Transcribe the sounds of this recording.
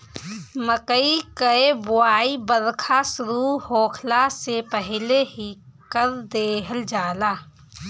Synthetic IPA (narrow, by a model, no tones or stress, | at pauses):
məkəikəebʊaːibəɾkʰasʊɾuːɾhoːkʰlasepəɦleɦikəɾd̪eːɦəld͡ʒaːlaː